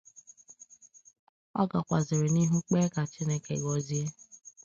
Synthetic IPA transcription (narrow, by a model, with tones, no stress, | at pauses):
ɔ̰˦ɡa˨kʷa˨zɪ˨ɾɪ˨ni˦ɦu˦k͡peː˦ka˨t͡ʃi˦ne˦kḛ˨ɡɔ˨zi˦e˦